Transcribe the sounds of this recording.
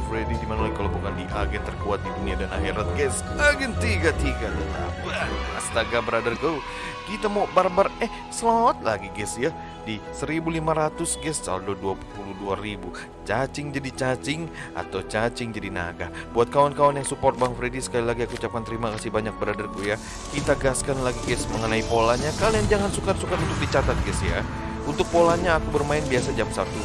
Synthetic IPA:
fɾedidimanaolakalobukandiʔaɡɛnt̪ərkuat̪̚diduniadanaɦiɾat̪̚ɡɛsaɡɛnt̪iɡat̪iɡadat̪a̰ast̪aɡabəɾadarɡow | kit̪amobarbarɛh | səlawat̪̚laɡiɡɛsja | disəɾibulimaɾat̪ʊsɡɛssa̰ndoduapupuluduaɾibu | t͡ʃat͡ʃɪŋd͡ʒadit͡ʃat͡ʃɪŋ | ʔa̰t̪awt͡ʃat͡ʃɪŋd͡ʒadina̰ɡab̥uat̪̚kawankawanjaŋsupɔrt̪̚baŋfɾedisə̥kalilaɡiakuːut͡ʃap̚kant̪əɾimakasibaɲak̚bəɾadarkuja | kit̪aɡaskanlaɡiɡɛsməŋənaipolahɲakalijaŋd͡ʒaŋansukatsukat̪unt̪ʊk̚dit͡ʃat̪at̪̚ɡɛsja̰ | unt̪ʊk̚polaɲaːkubərmaɪnbiasad͡ʒamsat̪u

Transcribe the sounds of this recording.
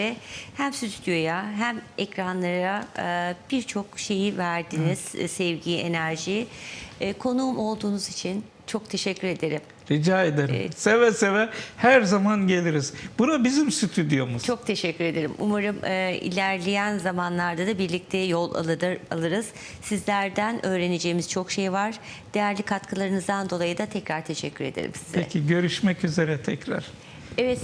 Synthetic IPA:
ɛhæmsyt̪ʰy̥t̪jo̞jaɦæmɛcɾanlˠaɾab̥iɾt͡ʃʰo̞kʃe̞jivæɾd̪iniz̥sɛvɟie̞næɾʒiː | kʰo̞numo̞lˠd̪uːnuzit͡ʃʰin | t͡ʃʰo̞k̚t̪ʰe̞ʃɛcʲːyɾe̞d̪e̞ɾim | ɾid͡ʒaːed̪eɾsevɛsevɛhæɾzamanɟe̞lʲiɾiz̥bunabizimsyt̪ʰyd̪ijo̞muzt͡ʃʰo̞k̚t̪ʰe̞ʃɛcʰːyɾe̞d̪e̞ɾḭmʔṵmaɾɯmɯːḭlʲæɾlʲejænzamanlˠaɾd̪ad̪abiɾlʲic̚t̪ʰɛjolˠa̰lˠɯalˠɯɾɯz̥ | sizlʲæɾd̪ænʔø̞ːɾe̞ned͡ʒe̞ːimiz̥t͡ʃʰo̞kʃejvaɾ̥d̪̥e̞jæɾlʲikʰat̪kʰɯlˠaɾɯnɯzd̪and̪o̞lˠajɯd̪at̪ʰɛcɾaɾt̪ʰe̞ʃɛcʲʰːyɾe̞̰d̪ḛɾḭmsizʰeɛ̰cʰiɟø̞ɾyʃmɛcyze̞ɾɛt̪ʰɛcɾa̰ɾ̥ | evɛt̪

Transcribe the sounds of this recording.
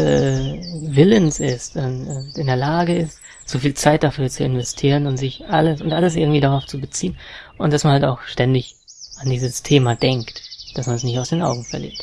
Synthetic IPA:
ɛ | vɪlənsɪstʊnɪndeːɐlaːɡəɪst | z̥ofiːlt͡saɪt̚d̥afyːɐt͡suɪnvɛstʰiːʁənʊntz̥ɪçʔaləsʊntʔaləs̬ʔɪɐɡŋ̩tv̥iːdaʁaʊft͡subət͡siːənʔʊntd̥asmanhaltaʊxʃtɛndɪç | ʔandiːzəstʰeːmadɛŋktd̥asmansnɪçtaʊsd̥eːnʔa̰ʊɡŋ̩fɛɐlḭɐt

